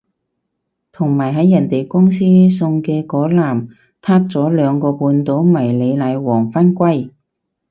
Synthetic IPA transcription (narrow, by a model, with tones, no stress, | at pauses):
t̪ʰʊ˨˩ŋmaː˨˩jɦɐ˨˥jːɐ˨˩nt̪e˨jkʊ˥ŋsiː˥sʊ˧ŋkɛː˧kɔː˨˥laː˨˩m | t̪ʰaː˥k̚t͡sɔː˨˥lœː˨˧ŋkɔː˧puː˧nt̪o˨˥wmɐ˨˩jle˨˧jlɐ˨˧jwɔː˨˩ŋfaː˥nkʷɐ˥j